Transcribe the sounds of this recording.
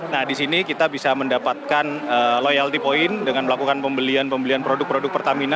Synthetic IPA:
nahdisinikit̪abisaməndapat̪̚kanəlojalt̪ipoɪndəŋanməlakukanpəmbəlianpəmbəlianpɾodʊk̚pɾodʊk̚pərt̪amina

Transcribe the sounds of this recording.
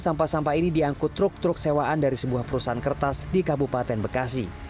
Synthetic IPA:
sampasampainidiaŋkʊt̪ːɾʊk̚t̪ɾʊk̚sewaʔandaɾisəbuahpəɾusaɦankərt̪asdikabupat̪ɛnbəkas̬i

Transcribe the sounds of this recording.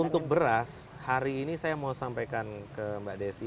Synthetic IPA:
unt̪ʊk̚bəɾas | haɾiːnisajamosampajkankəmbaʔdesi

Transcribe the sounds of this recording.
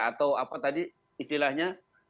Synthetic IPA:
at̪awapat̪adiː | st̪ilahɲa

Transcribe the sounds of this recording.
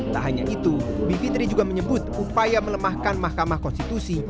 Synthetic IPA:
t̪aʔɦaɲaʔit̪ubipit̪ɾid͡ʒuɡaməɲəbʊt̪upajamələmahkanmahkamahkɔnst̪it̪usi

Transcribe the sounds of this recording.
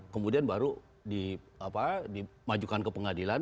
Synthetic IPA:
kəmudianbaɾu | di | apadimad͡ʒukankəpəŋadilan

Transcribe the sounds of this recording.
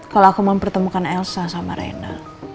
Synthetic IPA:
kaloakuməmpərt̪əmukanɛlsasama̰ɾḛna̰

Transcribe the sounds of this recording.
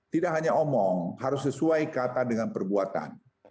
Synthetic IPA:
t̪idaʔɦaɲaomɔŋɦaɾʊsːəsuajkat̪adəŋanpərbuat̪a̰n

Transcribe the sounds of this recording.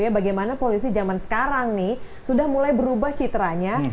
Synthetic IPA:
jabaɡajmanapolisid͡ʒamansə̥kaɾaŋnɪh | sudahmulajbəɾubaht͡ʃit̪ɾaɲa

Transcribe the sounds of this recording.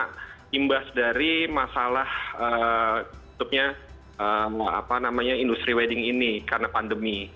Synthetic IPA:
aʔt̪imbasdaɾimasalahəbə̥t̪up̚ɲa | ʔəa̰panamaɲaindust̪ɾiwedɪŋinikarnapandəmi

